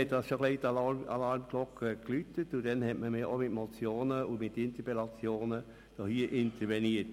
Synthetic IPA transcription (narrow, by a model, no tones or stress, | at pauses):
ɛt̚dɑsʃokleːta̰lɑɹmklɔkʰːəklytətudɛnhɛtməmiʔomɪtmot͡sjoːnəʊmɪtɪnt̪əpɛlɑt͡sjoːnə | d̥ɔhiːəʔɪntəɾveniət